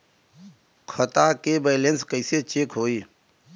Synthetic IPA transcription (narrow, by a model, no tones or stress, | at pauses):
kʰət̪akebeːlẽnskəɪset͡ʃeːkɦoːiː